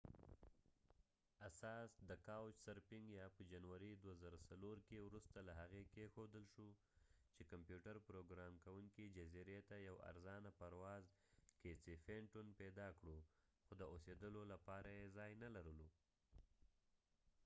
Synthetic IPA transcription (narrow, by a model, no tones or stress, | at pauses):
asɑsd̪əkawt͡ʃsaɾpɪŋɡjɑpəd͡ʒanwaɾid̪wazaɾasaloɾkewɾust̪alaɦaɣekexod̪əlʃu | t͡ʃekampjuʈaɾpɾoɡɾɑmkawuŋkid͡ʒaziɾet̪ajawa̰ɾzɑnapaɾwɑz | ket͡sifeɳʈunped̪ɑkɽoxod̪əosed̪əlolapɑɾajezɑjnalaɾəlu